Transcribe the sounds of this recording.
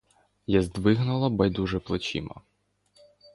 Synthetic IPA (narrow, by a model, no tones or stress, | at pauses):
jazd̪ʋɪɦnʊlˠɐbɐjd̪uʒɛplˠɔt͡ʃḭmɐ̰